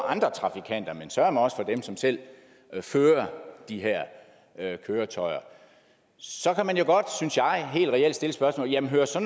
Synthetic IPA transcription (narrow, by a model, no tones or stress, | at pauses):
ʔɑ̈nd̥ʁɐt͡sʰʁɑ̈fikʰæn̰d̥ɐmensɶɐɐmænɒ̽sə̥fɒ̽d̥emsɒ̽msel̰ | føːɐd̥iɦæɐ̰ | kʰøːɐt͡sʰɒɪɐ | sɒ̽kʰæmænjo̝ɡ̥ɒ̽d̥synsjɑ̈ɪɦe̝̰ːld̥ʁɛel̰d̥sd̥e̝ləsb̥ɶɐsmɔ̰ːljæmn̩ɦøːɐsɒ̽